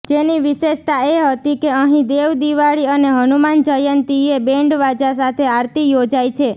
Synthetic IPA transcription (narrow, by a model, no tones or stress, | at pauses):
d͡ʒeniʋiʃeʃt̪aeɦət̪ikeəɦĩd̪eʋd̪iʋaɭiəneɦənumand͡ʒəjənt̪iebẽɳɖʋad͡ʒasat̪ʰeaɾt̪ijod͡ʒajt͡ʃʰe